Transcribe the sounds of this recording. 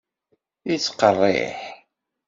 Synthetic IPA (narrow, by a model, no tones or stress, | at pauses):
it͡sːqərˤːḛħ